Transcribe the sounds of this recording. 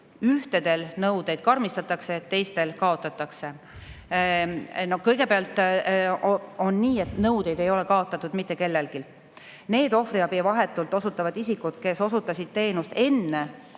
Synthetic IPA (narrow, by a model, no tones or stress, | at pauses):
yht̪ed̪̥e̞lnɤwd̪e̞jd̪̥̚kɑrmist̪ɑt̪ːˑɑkse̞ːt̪ːe̞jst̪e̞lkɑo̞t̪ːˑɑt̪ːˑɑkse̞ | nohkɤjɡe̞peɑlt̪ˑ | o̞nːiːe̞t̪nɤwd̪̥e̞jd̪e̞jo̞le̞kɑo̞t̪ːˑɑt̪ːˑud̪̥mit̪ːˑe̞ke̞lːelɡ̥ilt̪ | ne̞ːd̪o̞friɑbivɑɦe̞t̪ːˑult̪ːˑo̞sut̪ːˑɑvɑd̪̥isikud̪ke̞so̞sut̪ːˑɑsʲid̪̥̚t̪e̞ːnust̪e̞nːe̞